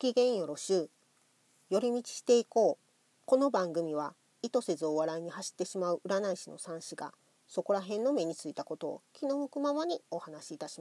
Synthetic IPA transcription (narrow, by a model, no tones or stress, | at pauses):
kʲiɡẽ̞ɰ̃jo̞ɾo̞ɕɯː | jo̞ɾʲimʲit͡ɕi̥ɕi̥t̪e̞iko̞ː | ko̞no̞bãŋɡɯ̟mʲiβ̞a | it̪o̞se̞zɨo̞βaɾaiɲ̟ihaɕi̥t̪ːe̞ɕimaɯ̟ʔɯ̟ɾanaiɕino̞̰sãɰ̃ɕiɡa̰ | so̞ko̞ɾaɦẽ̞nːo̞me̞ɲ̟it͡sɨit̪ako̞t̪o̞̰ːkʲino̞mɯ̟kɯ̟mamaɲ̟io̞hanaɕiːt̪aɕi̥ma